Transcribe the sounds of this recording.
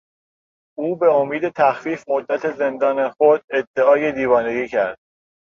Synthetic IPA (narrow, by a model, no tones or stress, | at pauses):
ʔuːbe̞omiːd̪e̞t̪ʰæxfiːfmod̪ːæt̪ʰe̞ze̞nd̪ɒːnexod̪e̞d̪ːeɒːje̞d̪iːvɒːne̞ɡiːcʰæɾd̪̥